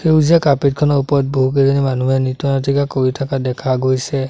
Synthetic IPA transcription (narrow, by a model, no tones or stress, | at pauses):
xeuziakapit̚kʰɔnɔɹupɔɹɔt̚boɦuk̬ezɔnimanuɦɛnitɔnatʰikakoɹitʰakadɛkʰaɡojsɛ